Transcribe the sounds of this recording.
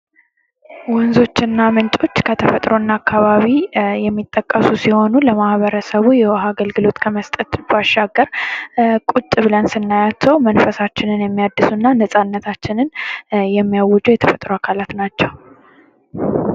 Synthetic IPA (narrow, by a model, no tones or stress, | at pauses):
wɔnzo̞t͡ʃːɪɨnːamɨnt͡ʃʼo̞t͡ʃːkʰət̪ʰəfət̪ʼɾo̞nːaakːaβaβijɛmːit̪ʼːəkʼːəsusiho̞nuləmahβəɾəsəβujɛwɔɦaɡəlɡɨlo̞t̪kʰəməst̪ʼət̪baʃːaɡəɾ | kʼut͡ʃʼːβɨlənsɨnːajat͡ʃʰːɛwmənfəsat͡ʃːɪnɨnjɛmːijad̪ːɨsunːanəsʼanːət̪ʰat͡ʃːɪnɨnjɛmːijawːɔd͡ʒujɛt̪ʰəfət̪ʼɾoakʰalat̪nat͡ʃːɛw